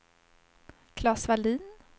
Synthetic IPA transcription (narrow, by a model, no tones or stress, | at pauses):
kʰlɑːsvaliːn